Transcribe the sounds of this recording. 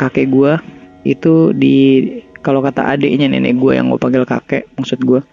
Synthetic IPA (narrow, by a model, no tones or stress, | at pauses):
kakɛʔɡua | it̪udikalokat̪a̰ʔa̰dɛʔiɲanɛ̰nɛ̰ɡua̰ja̰ŋɡṵapaŋɡɪlka̰kɛmaksʊt̪̚ɡua